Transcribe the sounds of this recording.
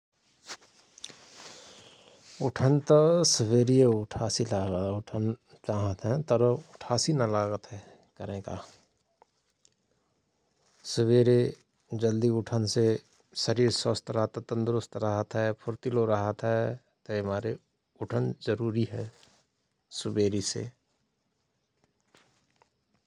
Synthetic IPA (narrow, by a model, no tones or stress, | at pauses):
ʊʈʰənt̪əsʊweːɾieʊʈʰaːsilaːɡəʊʈʰən | t͡ʃaːɦət̪ɦɛ̃t̪əɾʊʈʰaːsinɐlaːɡət̪ɦɛ | kɐɾẽːka̰ː | sʊweːɾe | d͡ʒəld̪iʊʈʰənse | səɾiːɾswəst̪ɾəɦət̪t̪ə̃nd̪ɾʊst̪ɾəɦət̪ɦɛpʰʊɾt̪iloɾəɦət̪ɦɛ | t̪omaːɾe | ʊʈʰənzəɾuːɾiɦɛ | sʊbeːɾisḛ